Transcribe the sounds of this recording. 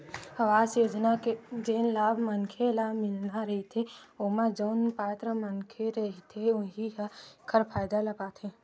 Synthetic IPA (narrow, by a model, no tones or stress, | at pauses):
ɐʋaːsjoːd͡ʒnaked͡ʒeːnlaːbʱmənkʰelamɪlnaɾɦit̪ʰeomad͡ʒoːnpaːt̪ɾəmənkʰeɾɐɦit̪ʰeʊɦiɦkʰəɾpʰaːjd̪aləpaːt̪ʰẽː